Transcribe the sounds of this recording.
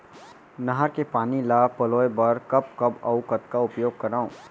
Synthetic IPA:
nɐɦəɾkepaːnilaːpɐloːjbɐɾkɐp̚kɐbɐ̰ʊkət̪kaʊpjoːɡ̚kɐɾaːũ

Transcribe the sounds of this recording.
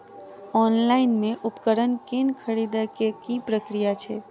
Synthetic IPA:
ɔnlaɪnmeʔupkəɾənkenkʰəɾid̪akekipɾəkɾijat͡ʃʰe

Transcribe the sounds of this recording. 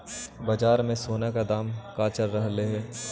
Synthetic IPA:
bɐd͡ʒaːɾmẽsoːnekad̪aːmkaːt͡ʃəɾːɐɦleɦɛː

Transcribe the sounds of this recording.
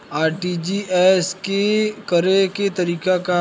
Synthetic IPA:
aːɾʈiːd͡ʒiʔɛːskekəɾeket̪ɐɾiːkaka

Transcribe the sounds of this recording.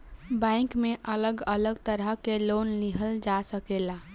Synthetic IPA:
bɛ̃ɪ̃ŋkmẽʔələɡələɡt̪əɾəɦkeloːnliɦəld͡ʒasəkelaː

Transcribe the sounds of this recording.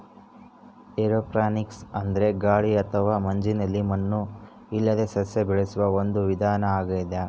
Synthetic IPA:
eɾoːpɾaːniksɐnd̪ɐɾe̞ɡaːɭiɐt̪ʰɐʋaːmɐɲd͡ʒinɐlːimɐnːu | ilːɐd̪e̞sɐsebɛɭesuʋɐo̞nd̪uʋid̪ʱaːnɐaːɡɐjid̪a

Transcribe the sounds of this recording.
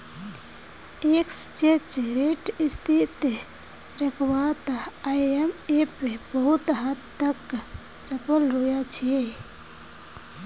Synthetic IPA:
ekst͡ʃet͡ʃɾeʈist̪ʰit̪ | ɾəkʰbat̪ajemepebəɦut̪ɦat̪ːək | t͡ʃəpəlɾujat͡ʃʰi

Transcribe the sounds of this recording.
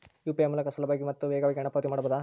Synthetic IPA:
juːpiɐmːulɐkɐsɐlɐbaɡimɐt̪ːuʋɛːɡɐʋɛːɡɐɳɐpɐʋɐt̪imaːɽɐbɐd̪a

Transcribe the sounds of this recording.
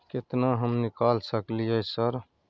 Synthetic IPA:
kɪt̪naɦəmnɪkaːlsəkliəsəɾ

